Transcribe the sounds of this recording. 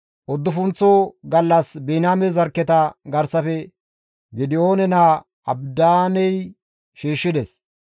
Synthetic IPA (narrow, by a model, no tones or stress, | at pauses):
ʔɔd̪ːʊfʊnt͡sːoɡɐlːɐsbiːnaːmɛzɐɾkːɛt̪ɐɡɐɾsɐfɛ | ɡɪd̪ɪoːnɛnaː | ɐbd̪aːnɛj | ʃiːʃːɪd̪ɛs